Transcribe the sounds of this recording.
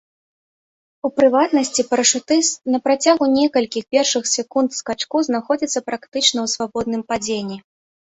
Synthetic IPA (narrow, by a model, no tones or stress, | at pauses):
upɾɨvat̪nɐsʲt͡sʲipɐɾɐʂut̪ɨnɐpɾat͡sʲaɣunʲɛkɐlʲkʲixpʲɛrʂɨxsʲɛkunt̪skat͡ʂkuznaxɔd͡zʲit̪sːɐpɾakt̪ɨt͡ʂnɐwsvabɔd̪nɨmpad͡zʲenʲːi